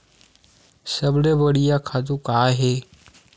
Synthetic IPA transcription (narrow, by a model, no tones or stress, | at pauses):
səbɽeːbəɽijaːkʰaːt̪ũːkaːɦeː